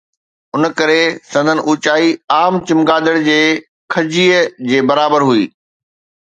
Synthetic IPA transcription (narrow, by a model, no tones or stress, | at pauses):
ʊnkɐɾesɐ̃nd̪ʱənɪ̆ʔuːt͡ɕaːiaːmt͡ɕɪmɡaːd̪əɽd͡ʑeː | kʰɐd͡ʑiːəd͡ʑeːbɐɾaːbəɾɦuḭː